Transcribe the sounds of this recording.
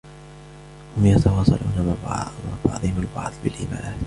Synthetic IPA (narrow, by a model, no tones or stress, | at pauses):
hʊmjat̪ɑwɑːsˤɑ̰lʔṵːnamab̰abɑ̰ʕd̪ˤɪhɪmalbɑ̰ʕd̪ˤbɪlʔɪːma̰ː